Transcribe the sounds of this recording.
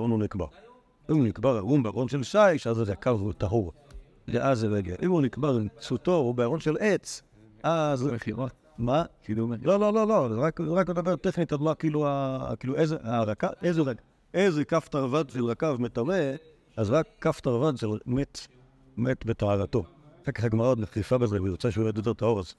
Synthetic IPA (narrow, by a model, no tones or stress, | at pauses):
aʁonunikba̰ʁ | imunikbaʁaʁumbeaʁonʃelʃaiʃazʁakavtaɦuʁ | zeʔazeʁeɡeʔimunikbaʁimt͡sutoobeaʁonʃelʔet͡s | ʔazʁaeχiʁa | makidumelolololozʁakʁakedabeʁt̪eχnit̪alulakilua̰kiːluʔezeaʁakaezʁaɡ | ezekaft̪aʁvadʃelʁakavmetaʁe | azʁakːaftaʁvadʃelmet̪ | metbetaʕaʁato̞ʁekaχaɡmaʁaneχifabezeujʁot͡saʃeumet̪doteʁtahoʁaz